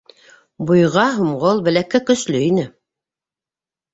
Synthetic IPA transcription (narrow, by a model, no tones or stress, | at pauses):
bujʁɑɦumʁolˠbæ̆lækækɵ̆slɵinɘ